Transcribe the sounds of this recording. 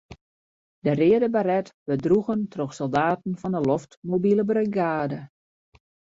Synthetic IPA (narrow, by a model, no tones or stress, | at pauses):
dərɪədəbaɾɛtbədruɣəntʰroxsɔlˠdaːtn̩fɔndəlɔftmobiləbrəɡaːdə